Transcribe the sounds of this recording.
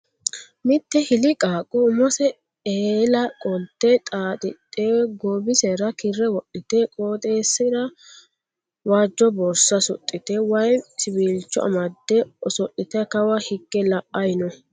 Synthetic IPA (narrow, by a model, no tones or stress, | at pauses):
mɪt̪ːɛhɪlɪkʼaːkʼɔʊmɔsɛ | eːlɐkʼɔlt̪ːɛt̪ʼaːt̪ʼɪt̪ʼːɛɡobɪsɛɾɐkɪrːɛwɔʔɪt̪ɛkʼoːt̪ʼeːsɪd̪ɐ | waːd͡ʒːɔbɔɾsɐsɔ̰t̪ʼːɪt̪ɛwɐjsɪbiːlt͡ʃːɔɐ̰mɐd̪ːɛɔsɔʔːɪt̪ɛkɐwɐhɪɡːɛlɐʔɐjnɔ